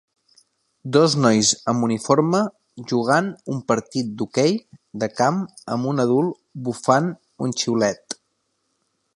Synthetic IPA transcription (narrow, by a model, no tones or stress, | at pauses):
d̪ɔznɔjzəmunifoɾmə | ʒuɣanumpəɾt̪it̪̚d̪ukejd̪əkam | əmunəðulˠ | bufan | unt͡ʃiwlɛt̪